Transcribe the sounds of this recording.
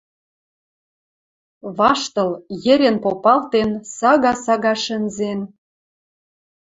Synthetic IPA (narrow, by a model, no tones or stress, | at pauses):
βɑʃt̪ɤ̆ljɘ̆ɾʲĕnpopɑlt̪ensɑɣɑsɑɣɑʃə̆nzen